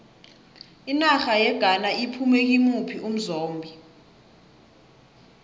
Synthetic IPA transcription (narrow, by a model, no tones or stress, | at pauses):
inaxajɛɡ̥ʱanaipʰumek̬imupʰiʔum̩zoːmbʱi